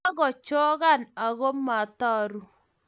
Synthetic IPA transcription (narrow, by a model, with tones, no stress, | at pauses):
a˦ɣɔ˨t͡ʃɔ˦ɣa˦˨na˨ɣo˦mːa˨ta˦ɾu˦